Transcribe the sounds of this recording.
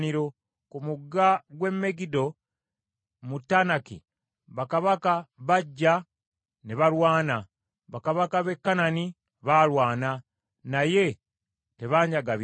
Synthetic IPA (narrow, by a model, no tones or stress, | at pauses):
niɾo̞ | kumuɡːaɡwe̞mːe̞ɡido̞ | mutːanakḭ | βakaβakaβaɟːa | neβaɾwaːna | βakaβakaβe̞kːanani | βalwaːna | naje̞ | te̞βaːɲɟaɡaβ